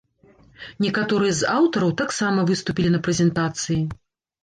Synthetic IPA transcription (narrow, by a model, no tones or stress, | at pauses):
nʲɛkat̪ɔɾɨjɛzawt̪ɐɾɐwt̪aksamɐvɨst̪upʲilʲinɐpɾɛzʲɛnt̪at̪sɨji